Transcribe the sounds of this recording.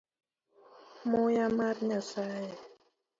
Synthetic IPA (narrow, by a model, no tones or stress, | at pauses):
mojamat̪̚ɲasaj